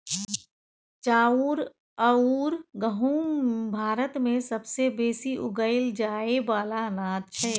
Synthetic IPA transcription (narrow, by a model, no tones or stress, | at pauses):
t͡ʃaːuːɾ | əuɾɡəɦũbʱaːɾət̪mẽsəbsebeːsiʔʊ̰ɡəɪld͡ʒaːebaːlanaːd̪̚t͡ʃʰɛː